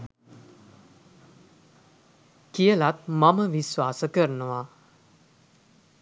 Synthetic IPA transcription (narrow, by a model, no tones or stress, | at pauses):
kijəlat̪maməʋisʋaːsəkəɾənəʋa